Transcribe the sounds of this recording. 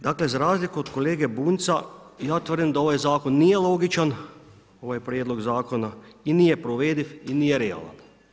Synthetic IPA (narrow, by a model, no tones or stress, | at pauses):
d̪akle̞zaɾaːzlikood̪ko̞leːɡe̞buːnt̪sajaːt̪ʋr̩d̪imd̪ao̞ʋajzaːko̞nːije̞lˠo̞ːɡit͡ʃan | o̞ʋajpɾʲjed̪lˠo̞ɡzaːko̞nainijepɾoʋeːd̪ifiniːjeɾea̰ːla̰n